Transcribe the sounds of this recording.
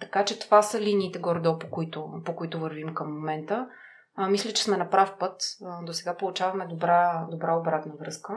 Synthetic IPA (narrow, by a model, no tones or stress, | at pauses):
t̪ɐkat͡ʃɛt̪ovasəliniːt̪ɛɡoɾd̪ɔpokʊit̪ʊpokoit̪ʊvəɾvimkəmːomɛnt̪ə | mislʲɛt͡ʃɛ̥smɛnɐpɾafpɤt̪d̪osɛɡapolˠut͡ʃavɐmɛd̪obɾad̪obɾaobɾat̪nəvɾɤskə